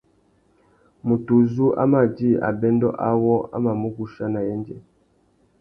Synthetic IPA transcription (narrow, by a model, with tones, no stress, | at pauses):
mu˨tu˨zu˦ʔa̰˦ma˨d͡ʒi˦˨a̰˨bɛ˦ndɔ˦ʔa˦wɔ˦a̰˦ma˨mu˦ɡu˦ʃa˦na˨jɛ˦nd͡ʒɛ˨